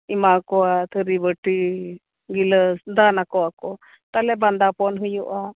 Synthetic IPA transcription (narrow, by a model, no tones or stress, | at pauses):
imakɔat̪ʰəɾibəʈi | ɡiləsd̪anakɔakɔ | t̪alɛband̪apɔnɦujuʔa